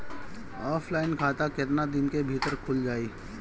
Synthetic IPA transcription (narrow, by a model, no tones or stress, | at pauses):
ɔːpʰlaːɪnkʰaːt̪akɪt̪nad̪ɪnkebʱiːt̪əɾkʰʊld͡ʒaːiː